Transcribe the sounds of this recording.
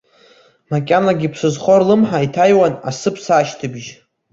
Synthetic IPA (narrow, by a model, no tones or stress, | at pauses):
makʲʼanaɡʲipʰsɨzχorlɨmħaitʰajwana̰sɨpʰsaʃtʰɨbʒ